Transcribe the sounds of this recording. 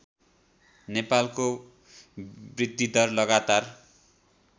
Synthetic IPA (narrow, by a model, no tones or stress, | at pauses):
nepalko | brid̪ʱːid̪ʌrlʌɡat̪ar